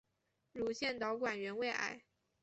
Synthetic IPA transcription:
ɻu˧˥ɕjɛ˥˩nt̪ɑ˧˥ʊkwa˨˩nɥɛ˧˥nwe˥˧ɪʔa̰˥˩ɪ

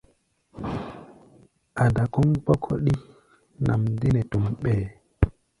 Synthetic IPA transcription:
ʔa˨da˨kɔ˦ŋk͡pɔ˦kʰɔ˦ɗi˦ | nʔa̰˨mdi˦nɛ˨tu˨mɓɛː˨

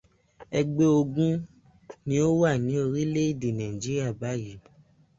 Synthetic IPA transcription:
ɛ˧ɡ͡be˧˦o˧ɡũ˦ | nĩ˦o˦wa˦˨nĩ˨˦o˧ɾi˦le˦i˦˨di˨nã˨ĩ˨d͡ʒi˦ɾi˦a˦˨ba˨˦ji˨˦

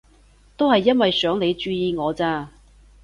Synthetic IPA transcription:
t̪o˥whɐ˨jːɐ˥nwɐ˨jsœː˨˥ŋne˨˧jt͡ʃyː˧jiː˨˧ŋɔː˨˧t͡saː˧

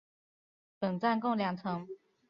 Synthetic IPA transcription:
pə˨˩ŋt͡sa˥˧nkʊ˥˩ŋljɑ˨˩ŋt͡sʰɤ˧˦ŋ

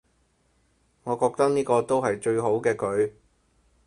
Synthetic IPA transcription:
ŋɔː˨˧kɔː˧k̚t̪ɐ˥k̚niː˥kɔː˧t̪o˥wɦɐ˨jt͡ʃɵ˧ɥɦo˨˥wkɛː˧kɵ˨˧ɥ

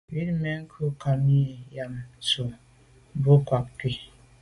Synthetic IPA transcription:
wi˦ɾme˨ŋ̩˦kʰu˦˨ka˨mi˦˨ja˨msu˨ | bo˦kwa˨k̚ki˦

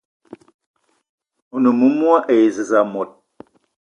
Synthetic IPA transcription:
o˨nə˨mu˦mwa˦ʔe˨zə˨za˨mɔ˨t̚

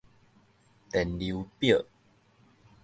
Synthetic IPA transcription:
t̪ɛ˨˩nli˧˦wpjə˥˨

